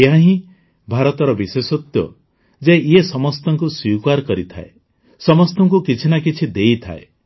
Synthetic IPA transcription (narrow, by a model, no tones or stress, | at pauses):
eɦãɦĩ | bʱaɾɔt̪ɔɾɔbisesɔt̪jɔ̰ | d͡ʒeʔiesɔmɔst̪ɔŋkuswikaɾkɔɾit̪ʰa̰ḛ | sɔmɔst̪ɔŋkukit͡ʃʰinakit͡ʃʰid̪ejt̪ʰa̰ḛ